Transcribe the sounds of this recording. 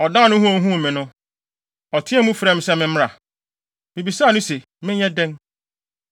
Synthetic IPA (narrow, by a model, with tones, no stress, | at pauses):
ɔ˨dã˦˨nʊ̃˦ɦũ˦ɔ̃˨˦ɦũ˦˨mɪ̃˨nʊ̃˦ | ɔ˨tʰɪ̃˦ɛ˦mũ˦fɾɛ˦m̩˦sɛ˦mɪ̃˦m̩˦m˦ɾa˨ | mɪ̃˨bi˨saː˦˨nʊ̃˦se˨ | mɪ̃˦ɲɛ˦dɛ̃˦n